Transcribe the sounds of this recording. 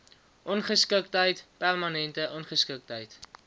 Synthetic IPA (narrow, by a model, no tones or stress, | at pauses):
ʔɔnχəskək̚tɦəjtpærmɐnɛntəʔɔnχəskək̚tɦəjt